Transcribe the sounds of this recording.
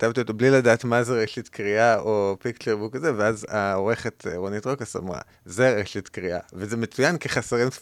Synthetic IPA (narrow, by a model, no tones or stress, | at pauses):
tavt̪iot̪obliladaːtmazeʁeʃitkʁiaʔopikt͡ʃeʁbukazeveazaoʁe̞χetʁonitʁokasa̰mʁa̰ | zeʁeʃit̪kʁia̰vezemet͡sujankeχaseʁim